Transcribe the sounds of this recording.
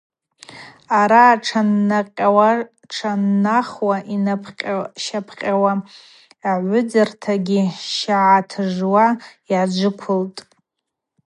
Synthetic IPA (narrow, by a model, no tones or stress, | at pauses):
aɾaːʈ͡ʂʰanqʲʼawa | ʈ͡ʂʰanːaχwaʔinapʰqʲʼʃapʰqʲʼawa | aʕʷʊd͡zɨrtʰaɡʲiʃaʕatʰɨʐwajad͡ʒʷɨkʷʰʊltʼ